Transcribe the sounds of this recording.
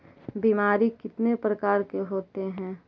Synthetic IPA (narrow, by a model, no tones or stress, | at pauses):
biːmaːɾikɪt̪nepɾɐkaːɾkeɦoːt̪eɦɛ̃ː